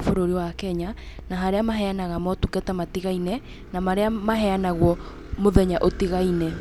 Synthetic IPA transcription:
foɾoɾiwakɛɲa | naɦaɾeamaɦɛanaɣamɔtukɛtamatiɣainɛ | namaɾeamaɦɛanaɣwɔ | moðɛɲaʔotiɣainɛ

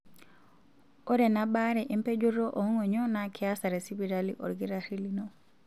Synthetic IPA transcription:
ɔɾɛnabaːɾɛʔimpɛd͡ʒuɾːɔʔɔŋɔɲɔnakʰiasaɾɛsibiɾalḭʔɔ̰ɾɡiɾahilinɔ

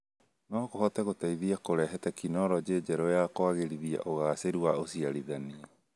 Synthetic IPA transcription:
nɔkoɦot̪eɣot̪ajðiakoɾɛɦetɛkinɔɾɔd͡ʒeːd͡ʒeɾoeakoaɣeɾiðia̰ʔoɣaːseɾuaosiaɾiðani

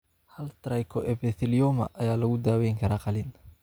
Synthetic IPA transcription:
hɐlt̪ɾɐjkʰɔʔɛbɛθɪlɔmɐ̰ʔɐjaːlɐɣʊd̪aːwɛjŋkʰɐɾaːqɑlɪn

